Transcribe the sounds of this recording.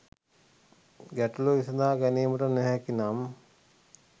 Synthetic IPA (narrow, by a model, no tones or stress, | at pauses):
ɡæʈuloʋisɐd̪aːɡæniːməʈənɛɦɛkinam